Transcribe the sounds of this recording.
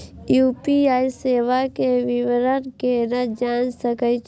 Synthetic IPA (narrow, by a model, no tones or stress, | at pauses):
juːpiaːiseːʋakeʋɪʋɾənkeɾəd͡ʒaːnsəkəit͡ʃ